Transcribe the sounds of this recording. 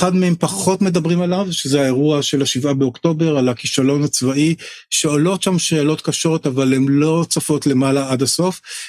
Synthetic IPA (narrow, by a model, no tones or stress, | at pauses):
eχadmehempaχo̞tme̞dabʁimalavʃezeaeʁuaʃe̞laʃivabeokto̞be̞ʁalakiʃalo̞nat͡svaʔiʃe̞olo̞tʃamʃealo̞t̪kaʃo̞ʁot̪avalemlo̞t͡safo̞tle̞malaadaso̞f